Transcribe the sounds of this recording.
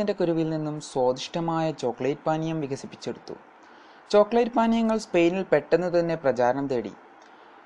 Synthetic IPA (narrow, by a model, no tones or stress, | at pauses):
inde̞kuɾuʋilninːumswo̞ːd̪iʂʈɐmaːjɐt͡ɕo̞ːkːɭɐjʈ̚paːnijɐmʋiɡɐsipːi̥t͡ɕːeɽut̪ːṵ | t͡ɕo̞ːkɭɐjʈ̚paːnjɐŋːɐɭspe̞jnilpe̞ʈːenːut̪ɐnːe̞prɐt͡ɕaːɾɐnɐmt̪eːɽḭ